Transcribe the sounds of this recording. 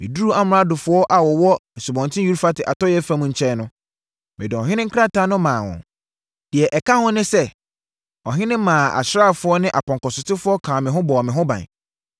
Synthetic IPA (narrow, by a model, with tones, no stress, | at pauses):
mɪ̰̃˨du˦u˦a˦m˨˦a˦dʊ˨fʊ˨˦ɔ˦ʔa˨wɔ˨wɔ˦ɛ˨su˨bɔ̃˨ntʰɪ̃˦ju˦ɾu˦fa˦tʰɪ˨ʔa˨tɔ˦jɛ˦fã˦mʊ̃˨ɲ̩˨t͡ɕʰɛ˦nʊ̃˦ | mɪ̃˨dʊ˨ɔ̃˨ɦɪ̃˦nɪ̃˦ŋ̩˦kʰa˦tʰã˦nʊ̃˦mãː˨wʊ̰̃˨ | d̥ɪ˨ɛ˨ʔɛ˨kʰa˦hʊ̃˦nɪ̃˦sɛ˦ | ɔ˨ɦɪ̃˦nɪ̃˦mãː˨a̰˨ɕɾa˦˨fʊ˨˦ɔ˦nɪ̃˦ʔa˨pʰɔ̃˨ŋkɔ˨sʊ˨tɪ˦fʊ˦ɔ˦kʰãː˨mɪ̃˨ɦʊ̃˦bɔ˨mɪ̃˨ɦʊ̃˦bã̰˨n˨